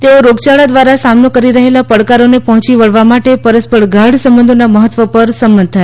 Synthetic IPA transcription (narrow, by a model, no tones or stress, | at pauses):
t̪eoɾoɡt͡ʃaɭad̪ʋaɾasamnokəɾiɾəɦelapəɽkaɾonepɔɦɔ̃t͡ʃiʋəɭʋamaʈepəɾəspəɽɡʱaɽsəmbənd̪ʱonaməɦət̪ʋəpəɾsəmbənd̪̚t̪ʰae